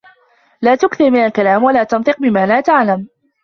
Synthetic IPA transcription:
laːt̪ʊkθɪɾmɪnalkalaːmwalaːt̪ɑnt̪ˤɨq̚bɪmaːlaːt̪aʕlam

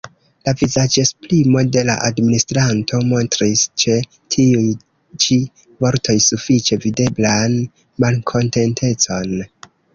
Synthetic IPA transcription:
lavizad͡ʒe̞splimo̞de̞la̰ʔadministɾanto̞mo̞ntɾist͡ʃe̞ | tʰiuj | t͡ʃi | vo̞ɾtʰo̞jsufit͡ʃe̞vide̞blan | malkʰo̞nte̞ntʰe̞t͡so̞n

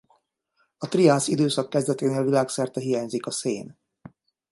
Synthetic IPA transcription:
ɒt̪riaːsid̪øːsɒkːɛzd̪ɛt̪eːneːlvilaːksɛrt̪ɛɦijaːɲzikɒseːn

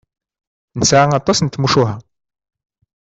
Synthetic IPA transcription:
nəsʕaŋɑt̪ˤːɑsnt̪ːmuʃuɦæ

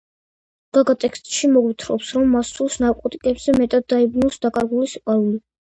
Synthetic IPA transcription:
ɡ̥aɡat̪ʼɛkst̪ʼʃimɔɡwit̪ʰɾɔ̰psɾɔmːasulˠsnaɾkʼɔt̪ʼikʼɛbz̥ɛmɛt̪ʼad̪̚ːaibnulˠsd̪̥akʼaɾɡulisiqʼaɾuli

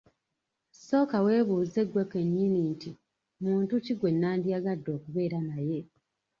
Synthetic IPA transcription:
so̞ːkawe̞ːβuːze̞ɡweke̞ɲːininti | muːntuciɡwe̞nːaːndijaɡadːo̞ːkuβe̞ːɾanaje̞

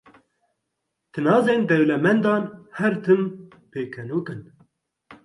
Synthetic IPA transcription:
t̪ʰɨnɑːzeːnd̪ɛwlɛmɛnd̪ɑːnhɛɾt̪ʰɨm | peːkʰɛnoːkɨn

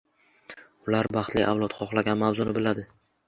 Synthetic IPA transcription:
ʊlaɾbɑχt̪lɪ̰ʔavlˠɒt̪χʰɒχlˠaɡʲanmavzʊnɪbɪlad̪ɪ

